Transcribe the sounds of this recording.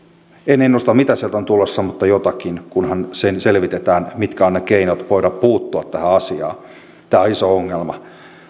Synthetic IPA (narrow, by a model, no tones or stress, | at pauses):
enenost̪ɑmmit̪æsielt̪ont̪ulːosːɑmut̪ːɑjot̪ɑkinkunhɑnsenselʋit̪et̪æːnmit̪kæonnekeinot̪ʋoiɾɑppuːt̪ːuɑt̪t̪æhæɑsiɑ̰ː | t̪æːoisooŋːelmɑ